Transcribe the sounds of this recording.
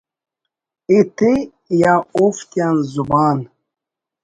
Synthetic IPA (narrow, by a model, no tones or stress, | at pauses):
it̪e | jaoft̪janzubaːn